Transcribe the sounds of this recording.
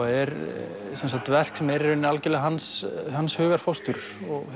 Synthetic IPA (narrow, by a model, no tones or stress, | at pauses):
aɛɾ | sɛnsat̪ːvɛr̥ksɛmɛɾɛɾʏnːɪalcɪlɪɣaɦanshanshʏːɣaɾ̥fowst̪ʏɾ̥ | ɔɣ